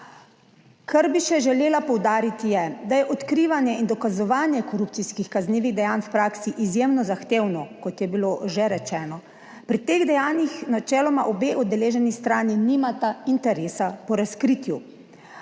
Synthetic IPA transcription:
kʰaɾbiʃɛʒɛleːlapɔwd̪aːɾit̪ijɛd̪ajɛʔɔt̪kɾiːʋanjɛind̪ɔkazɔʋaːnjɛkɔɾup̚t̪siskixkazneːʋiɣd̪ɛjaːnwpɾaːksiʔizjemnɔzaxt̪eːwnɔkɔt̪jɛbiloʒɛɾɛt͡ʃɛːnɔ | pɾit̪eɣd̪ɛjaːnjixnat͡ʃɛːlɔmaʔɔbeːʔɔd̪d̪ɛleːʒɛnist̪ɾaːniniːmat̪aint̪ɛɾeːsapɔɾaskɾiːt̪ju

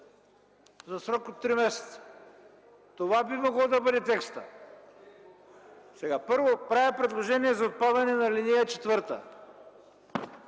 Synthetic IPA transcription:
zɐsɾɔkot̪ːɾimɛsɛ̥t̪sə̥ | t̪ovabimoɡlˠod̪ɐbəd̪ɛt̪ɛkst̪ə | sɛɡapəɾvopɾavɛpɾɛd̪lˠoʒɛniɛzɐot̪̚pad̪ɐnɛnɐlinijət͡ʃɛ̥t̪vəɾt̪ə̰

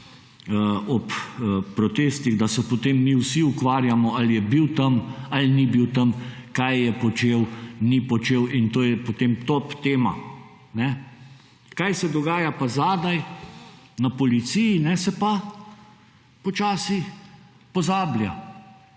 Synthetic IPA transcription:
ɔppɾɔt̪eːst̪iɣd̪asɛpɔt̪emːiwsiukʋaːɾjamɔalijɛbiwt̪ɐmalnibiwt̪ɐm | kajːɛpɔt͡ʃewnipɔt͡ʃeːwint̪oːjɛpot̪emt̪opt̪eːma̰ | nɛ | kajsɛd̪ɔɡaːjapazad̪aj | napɔlit̪sijinɛsɛpa | pɔt͡ʃaːsi | pɔzaːblʲja̰

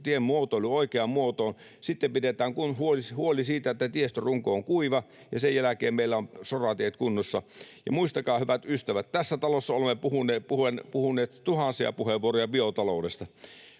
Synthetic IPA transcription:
t̪iemmuot̪oˑluoikeɑmmuot̪oːn | sit̪ːempidet̪æːŋkunhuolihuolisiːt̪æet̪ːæt̪iest̪øruŋkooŋkuiʋɑ | jɑsejjælækḛːmmeilːæonsorɑt̪iehet̪̚kunːosːɑjɑmuist̪ɑkɑːhyʋæt̪yst̪æʋæt̪t̪æsːæt̪ɑlosːɑolemːepuhunepuhenpuhunːˑeːt̪t̪uhɑnsiɑ̰puheʋuorojɑbiot̪ɑloˑudest̪ɑ

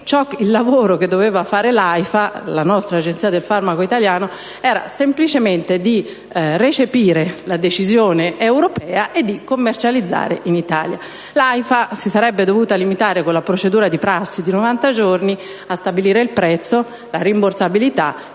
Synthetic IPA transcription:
t͡ʃɔkːilːavoːɾok̟ed̪ːoveːvafaːɾelajfalanɔst̪ɾaːd͡ʒent̪siːad̪elfarmakoit̪aljaːno | ɛːɾa̰semplit͡ʃement̪ed̪i | ret͡ʃepiːɾelad̪et͡ʃizjoːneʔewɾopɛːaʔed̪ːikomːert͡ʃalid̪zːa̰ːɾeʔinit̪a̰ːlja̰ | lajfasisaɾɛbːed̪ovuːt̪alimit̪aːɾekonlapɾot͡ʃed̪uːɾad̪ipɾasːid̪inovant̪ad͡ʒorni | ast̪abiliːɾeilpɾɛt̪sːo | laɾimborsabilit̪a̰

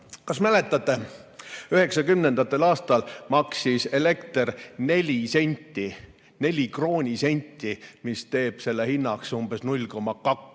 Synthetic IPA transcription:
kɑsmæle̞t̪ːˑɑt̪ːˑe̞ | yhe̞ksɑkymne̞nd̪̥ɑt̪ːˑe̞lɑːst̪ɑlmɑksise̞le̞kt̪rne̞lʲise̞nʲt̪ːˑi | ne̞lʲikro̞ːnʲise̞nʲt̪ʲːˑimist̪e̞ːb̥se̞lːehinːɑksumbe̞snulʲko̞mːɑkɑk

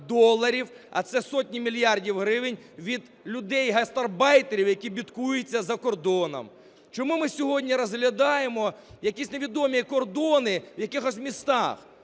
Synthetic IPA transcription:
d̪ɔlˠːɐɾʲiwɐ̰t̪sɛsɔtʲnʲimʲilʲjɑrdʲiwɦɾɪʋɪnʲ | ʋʲid̪ | lʲʊd̪ɛjɦɐst̪ɐrbɑjt̪eɾʲiwjɐkʲibʲit̪kujʊt͡sʲːɐzɐkɔrd̪ɔnɐ̰m | t͡ʃɔmumɪsʲɔɦɔdʲnʲiɾɐzɦlʲɐd̪ɑjemɔjɐkʲisʲneʋʲid̪ɔmʲikɔrd̪ɔnɪwjɐkɪxɔsʲmʲist̪ɑx

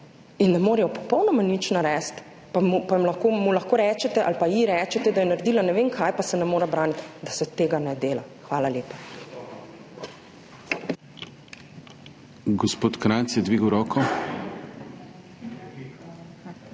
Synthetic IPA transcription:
inːɛmoːɾɛjɔpɔ̥pɔwnɔmanit͡ʃnaɾɛst̪ | pamupamlaxkomulɐxkoːɾɛːt͡ʃɛt̪ɛʔa̰lpajiɾɛːt͡ʃɛt̪ɛd̪ajɛnaɾd̪iːlanɛʋeːmkʰajpasɛnɛmoːɾɛbɾaːnit̪d̪asɛt̪eːɡanɛd̪eːlaxʋaːlaljeːpa | ɡɔspoːt̪kɾansjɛd̪ʋiːɡwɾɔːkɔ

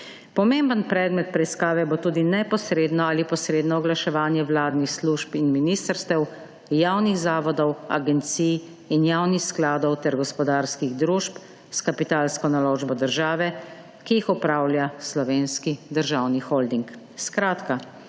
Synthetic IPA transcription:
pɔmeːmbənpɾɛːd̪mɛt̪̚pɾɛiskaːʋɛbot̪uːd̪inɛpɔsɾeːd̪nɔaːlipɔsɾeːd̪nɔɔɡlaʃɛʋaːnjɛwlaːd̪nixsluːʃpinminiːst̪əɾst̪ɛw | jaːwnixzaːʋɔd̪ɔwa̰ɡɛnt̪sij | injaːwnixsklaːd̪ɔwt̪ɛɾɡɔspɔd̪aːɾskiɣd̪ɾuːʃp | skapit̪aːlskɔnaloːʒbɔd̪əɾʒaːʋɛ | kijixɔpɾaːwljaslɔʋeːnskid̪əɾʒawnixold̪iŋk | skɾaːt̪ka

